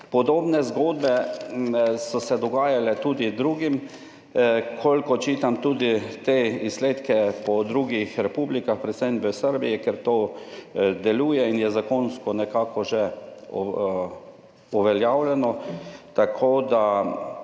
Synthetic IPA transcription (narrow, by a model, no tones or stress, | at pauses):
pɔd̪oːbnɛzɡoːd̪bɛ | sɔsɛd̪ɔɡaːjalɛt̪uːd̪id̪ɾuːɡim | kʰolʲkɔt͡ʃiːt̪amt̪uːd̪it̪eisleːt̪kɛpɔd̪ɾuːɡixɾɛpuːblikaxpɾɛt̪sɛjnʋəsəɾbijɛkɛɾt̪oː | d̪ɛluːjɛinjɛzakonskɔnɛkaːkɔʒɛ | uʋɛljaːwlʲɛnɔt̪akʰoːd̪a